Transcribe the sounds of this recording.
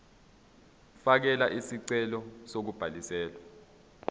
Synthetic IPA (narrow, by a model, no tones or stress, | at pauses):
fak̬ɛlaʔisiǀɛlɔsok̬ub̥ʱalisɛːlwa